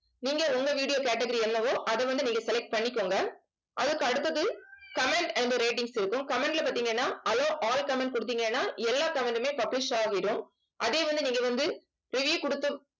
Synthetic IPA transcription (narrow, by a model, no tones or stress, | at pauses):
niːŋɡɐʊŋɡɐʋiːɽɪjoːkeːʈ̬ːɛɡɐɾiɛnːɐʋoːʔɐðɛʋɐnd̪ɯniːŋɡɐsɛlɛk̚ʈ̚pɐɳːɪkːoːŋɡɐ | ʔɐðɯkːɯɐɽɯt̪ːɐðɯkɐmɛɳɖɛnd̪ɯɾeːʈ̬ɪŋɡsɪɾɯkːɯmkɐmɛɳɖɪlɐpaːɾt̪̬ːiːŋɡɐeːnːaːʔɐlõːʔaːlkɐmɛɳʈ̚kʊɽɯt̪̬ːiːŋɡeːnːaːɛlːaːkɐmɛɳɖmeːpɐblɪʂaːɣɪɾɯ̃m | ʔɐðeːʋɐnd̪ɯniːŋɡɐʋɐnd̪ɯ | ɾɪʋjiːkʊɽɯt̪ːɯm